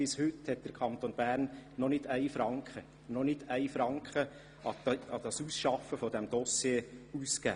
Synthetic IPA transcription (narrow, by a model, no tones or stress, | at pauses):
ɪshʏthɛt̚d̥əɾkʰɑnt̪onbæːɾnːɔnɪdæɪfɾɑŋkχə | nɔnɪdæɪfɾɑŋkχə | ʔɑɑdɑsuːsʃɑfəfɔdɛmd̥̪ɔsjeːuskæ̰ː